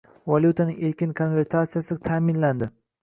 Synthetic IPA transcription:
valʲˠjut̪ʰanɪŋeɾkʲɪnkʰo̞nve̞ɾt̪ʰat̪sijasɪt̪ʰaːmɪnland̪ɪ

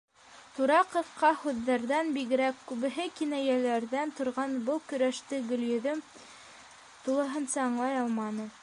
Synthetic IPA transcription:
t̪uɾɑqɤ̆fqːɑhʉðːæɾðænbiɣɘ̆ɾækːʉβɘ̆ɦɘkinæjælæɾðænt̪ŏɾʁɑnbɤlˠkɵ̆ɾæʃt̪ɘɡɵ̆ljɵ̆ðɵm | t̪ulˠɤ̆ɦɤ̆nsɑːɴlˠɑjɑlˠmɑnɤ

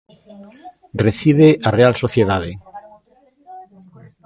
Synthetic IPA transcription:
reθiβeʔarealsoθjeðað̞e

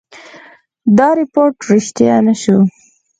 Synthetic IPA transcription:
d̪ɑɾɪpoɾʈɾɪʃt̪janaʃu

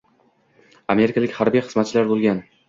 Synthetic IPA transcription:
ame̞ɾɪkʰʲalɪkʲhaɾbijχɨzmat̪̚t͡ʃʰɪlaɾbolˠɡʲan

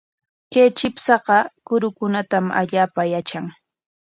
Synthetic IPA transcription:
keːt͡ʃɪpsɑɢɑkʊɾʊkʊnat̪ama̰ʎaːpajat͡ʃaŋ

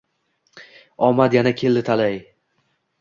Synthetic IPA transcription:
ɒmad̪janakʲʰe̞lːɪt̪ʰalaj

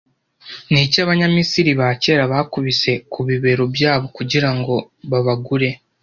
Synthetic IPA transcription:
nicaβaɲamisiɾiβace̞ːɾaβakuβise̞kuβiβe̞ɾobjaːβo̞kuɟiɾaŋɡo̞ | βaβaɡuɾe̞

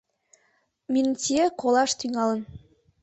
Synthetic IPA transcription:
minʲtʲiekolˠɑʃt̪yŋɑlə̆n

